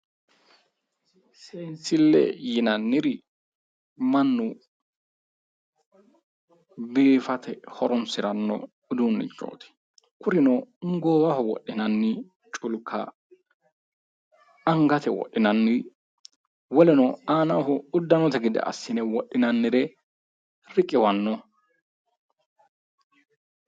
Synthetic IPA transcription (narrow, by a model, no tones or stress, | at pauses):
sɛnsɪlːɛ̰jɪnɐnːɪɾɪ | manːʊ | biːfɐt̪ʰɛhɔɾɔnsɪɾɐnːɔ̰ | ʊd̪unːɪ̰d͡ʒo̰ːt̪ʰɛ̥ | kʊɾɪnɔŋɡoːwahɔwɔ̰ɗːɪnɐnːɪ | t͡ʃʼʊlkʰɐ̰ | ɐŋɡɐt̪ɛwɔ̰ʔːɪnɐnːɪ | wɔlɛnɔaːnɐhʊʊd̪ːɐnɔt̪ɛɡɪd̪ɛ̰ʔɐ̰sːɪnɛwɔɗːɪnɐnːɪɾɛ | ɾɪkʼːɪwɐnːɔ